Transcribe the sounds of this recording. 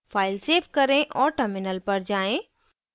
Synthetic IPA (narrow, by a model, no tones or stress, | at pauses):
fʰaːɪlseːfkɐɾẽʔɔːɾʈəɾmɪnəlpɐɾd͡ʒaːẽ